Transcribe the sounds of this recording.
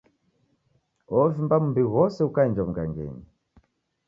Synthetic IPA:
ɔvimbam̩umbiɣɔsɛukaɛnd͡ʒɔm̩uɡa̰ŋɡɛ̰ɲi

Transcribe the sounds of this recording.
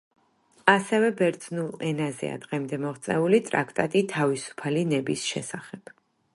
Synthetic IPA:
asɛvɛbɛɾd̪z̥nulˠɛnazɛ̰a̰d̪ʁɛmd̪ɛmɔʁt̪sʼɛulit̪ʼɾakʰt̪ʼat̪ʼit̪ʰavisu̥pʰalinɛbisʃɛ̰saχɛb̥

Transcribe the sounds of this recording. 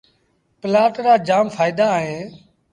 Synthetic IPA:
pəlaːʈɾaːd͡ʒaːmpʰaːɪd̪aːɦẽː

